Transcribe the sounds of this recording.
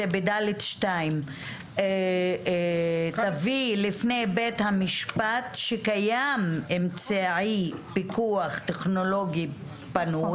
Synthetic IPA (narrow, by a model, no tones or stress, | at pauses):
ebedalet̪ʃtaim | t̪avilifnejbet̪hamiʃpat̪ʃekajamemt͡saʕipikuaχt̪eχno̞lo̞ɡi | panu